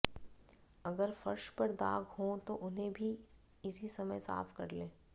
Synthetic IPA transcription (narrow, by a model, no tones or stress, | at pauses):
ɐɡəɾfɐɾʃpɐɾd̪aːɡhõt̪oʔʊnɦẽbʱiɪsisɐməjsa̰ːfkɐ̰ɾlẽː